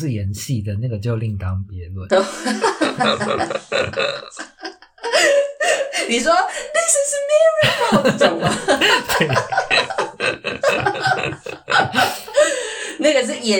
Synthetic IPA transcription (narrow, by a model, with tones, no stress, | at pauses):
ɻ̩˥˩jɛ˨˦nɕi˥˨˩d̪ə˩na˥˩ɡə˩t͡ɕjo˥˧ʊli˥˩ŋt̪ɑ˦ŋpjɛ˨˧˦lwə˥˨o˧ | ni˨˩ʂwɔ˦ðe˥ssmɛ˥˧ɹi˥a˥˨t͡sŋɐ˨t̪we˥˩ | na˥˩ɡə˨˩ʂ̬ɻ̩˥˩jɛ˨˦